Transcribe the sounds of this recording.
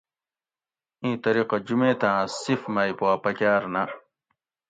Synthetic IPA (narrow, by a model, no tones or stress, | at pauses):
ĩːt̪ɐɾiːqɐd͡ʑumẽːt̪ãːsifmajpoapɐkaːɾna